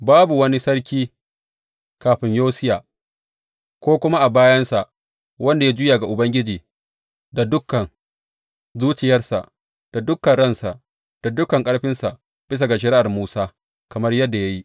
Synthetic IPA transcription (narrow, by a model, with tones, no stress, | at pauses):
baː˦bu˨wɐ˦ni˦sɐ˦rkʲiː˦ | kaː˨ɸɪ˦ɲjoː˦sɪ˦jaː˨ | kʷoː˦kʷʊ˦ma˦ʔa˨baː˦jɐ˦nsa˨ʔ | wɐ˦nda˨ja˦d͡ʒʊ˦jaː˨ɡa˨ʔʊ˨bɐ˦ŋɡʲɪ˦d͡ʒiː˨ | da˨dʊ˦kːɐ˨ŋ | zuː˦t͡ʃɪ˨jɐ˦rsa̰˨ʔ | d̥a˨dʊ˦kːɐ˨nɽɐ˦˨nsa˨ʔ | d̥a˨dʊ˦kɐ˨ŋkʼɐ˦ɽɸɪ˦nsa˨ʔ | b̥ɪ˦s̬a˨ɡa˨ʃ̬ɐ˨ɾi˦ʔa˨rmuː˦saː˦ | kɐ˨mɐ˦rjɐ˦dːa˨ja˦ji˦